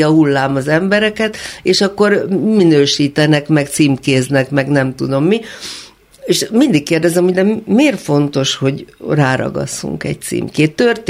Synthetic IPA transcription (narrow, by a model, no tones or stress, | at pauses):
ɒɦulːaːmɒzɛmbɛɾɛkɛt̪eːʃɒkːo̞rminøːʃiːt̪ɛnɛkmɛkt̪siːmkeːznɛkmɛɡnɛmt̪ud̪o̞mːi | eːʃmind̪ikːeːrd̪ɛzɛmhod̪ɛmmeːrfo̞nt̪o̞ʃho̞ɟraːɾɒ̰ɡɒ̰sːṵŋkɛ̰c̚t̪sḭːmkeːt̪ːørt̪